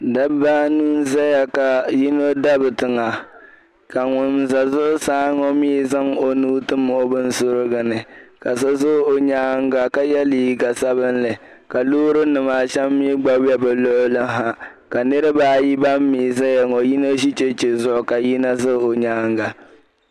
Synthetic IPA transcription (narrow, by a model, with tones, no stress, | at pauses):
da˦baː˦nuː˦n̩˦za˦ja˨ka˨ji˦no˦da˦bɨ˨tɨ˨ŋa˨ | ka˨ŋʊ˨nza˨zʊ˦ʔʊ˦saː˦ŋɔ˦miː˦za˦ŋo˨nuː˦tɨ˦mo˦bɨ˦n˦sʊ˦ɾɨ˦ɡɨ˨nɨ˨ka˨sa˦zʊ˦o˨ɲaː˦ŋ˦ɡa˨ka˦jɛ˦liː˦ɡa˨sa˦βɨ˦nlɨ˨ | ka˨loː˦ɾɨ˦nɨ˨ma˨ʃɛ˦mːi˦ɡ͡ba˦wɛ˦bɨ˨lo˦ʔʊ˦lɨ˦ɦa˦ | ka˨nɨ˦ɾɨ˦baː˦ji˦ba˦mː˦iː˨za˦ja˨ŋɔ˨ji˦no˦ʒi˦t͡ʃe˦t͡ʃe˨zʊ˦ʔʊ˨ka˨ji˦na˦zɨ˦˨o˨ɲaː˦ŋɡa˨